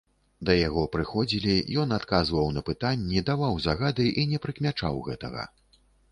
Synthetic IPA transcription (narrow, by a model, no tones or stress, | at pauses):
d̪ɐjaɣɔpɾɨxɔd͡zʲilʲijɔnat̪kazvɐwnɐpɨt̪anʲːid̪avawzaɣad̪ɨʔinʲɛpɾɨkmʲat͡ʂawɣɛt̪ɐ̰ɣɐ̰